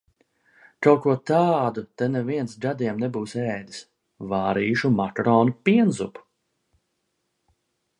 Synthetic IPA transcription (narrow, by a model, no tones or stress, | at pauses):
kalkuɔt̪aːd̪ut̪ɛneviɛnsɡad̪ʲiɛmnebuːsɛːd̪is | vaːɾiːʃumakɾɔːnupʲiɛnzupu̥